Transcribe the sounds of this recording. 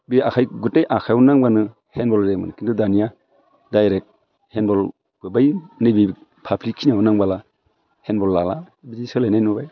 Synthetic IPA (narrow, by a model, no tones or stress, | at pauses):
biakʰajɡutːejʔakʰajnaŋbanɯ | henbɔlɾemɯ̰nkʰindudanija | dajɾek̚t̚ | henbɔl | bɯbajnɯbipʰablikʰːinawunaŋbala | henbɔlːala | bizisɯlajnajnubaj